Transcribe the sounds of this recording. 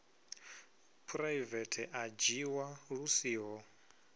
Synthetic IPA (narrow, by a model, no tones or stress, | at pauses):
pʰɾajvɛtʰɛʔad͡ʒiwaɺusiːɦɔ